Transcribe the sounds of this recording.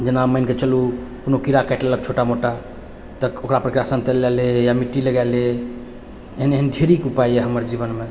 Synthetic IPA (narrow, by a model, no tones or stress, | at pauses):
d͡ʒənaməjnket͡ʃəlukonokiɾakɛʈlelək̚t͡ʃʰoʈamoʈa | t̪əokɾapɾəkɾjasənt̪elɛlejamiʈːiləɡale | eɦəneɦənɖʱeɾikupajeɦəməɾd͡ʒiβənme